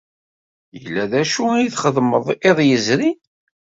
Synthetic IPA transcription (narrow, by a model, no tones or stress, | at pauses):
jəlːæðæʃuæjiθχəðməðˤɪðˤjəzɾi